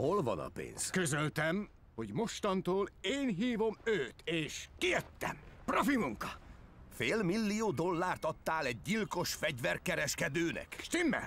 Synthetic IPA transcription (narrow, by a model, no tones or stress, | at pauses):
ho̞lvɒ̰nɒ̰pḛːnz̥køzølt̪ɛm | ho̞ɟmo̞ʃt̪ɒnt̪oːleːnɦiːvo̞møːt̪eːʃkijøt̪ːɛ̰mprofimuŋkɒfeːlmilːijoːd̪o̞lːaːrt̪ɒt̪ːaːlɛɟ̚ːilko̞ʃfɛɟvɛrkɛɾɛʃkɛd̪øːnɛ̰kʃt̪imːɛ̰